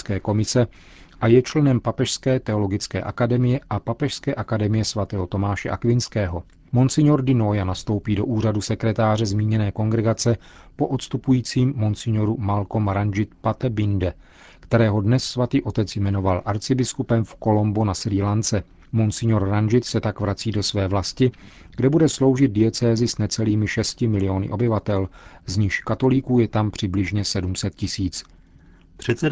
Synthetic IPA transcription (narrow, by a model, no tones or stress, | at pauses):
kɛːko̞mɪsɛ | ʔajɛt͡ʃlɛnɛmpapɛʃskɛːt̪ɛo̞lo̞ɡɪt͡skɛ̰ːʔakadɛmɪjɛʔapapɛʃskɛːʔakadɛmɪjɛsvat̪ɛːɦot̪o̞maːʃɛ̰ʔa̰kvɪnskɛːɦo̞ | monsɪɲoɾdɪnojanast̪o̞wpiːdo̞ʔuːr̝adusɛkɾɛt̪aːr̝ɛzmiːɲɛnɛːko̞ŋɡɾɛɡat͡sɛ | po̞ʔot̪st̪upujiːt͡siːmːonsɪɲoɾumalko̞mɾand͡ʒɪt̪pat̪ɛbɪndɛ | kt̪ɛɾɛːɦo̞dnɛsːvat̪iːʔo̞t̪ɛt͡sjmɛno̞valʔaɾt͡sɪbɪskupɛmfko̞lo̞mbunasɾiːlant͡sɛ | monsɪɲoɾɾanʒɪt̪sɛt̪akvɾat͡siːdo̞svɛːvlascɪɡdɛbudɛslo̞wʒɪd̪̚dɪjɛt͡sɛːzɪsnɛt͡sɛliːmɪʃɛscɪmɪlɪo̞nɪ̰ʔo̞bɪvat̪ɛlzɲiʃkat̪o̞likuːjɛt̪ampr̝̥ɪblɪʒɲɛsɛdumsɛt̪̚cɪsiːt͡s | prɛt̪t͡sɛ